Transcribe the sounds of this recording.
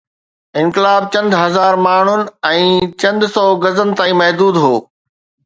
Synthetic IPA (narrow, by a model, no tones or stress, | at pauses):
ɪ̃nkɪlaːb̚t͡ɕɐ̃nd̪ʱɦɐzaːɾmaːɳ̤ʊnɪ̆ɛ̃ːt͡ɕɐ̃nd̪ʱsɔːɡɐzənɪ̆t̪aːĩmɐɦd̪uːd̪ɦoː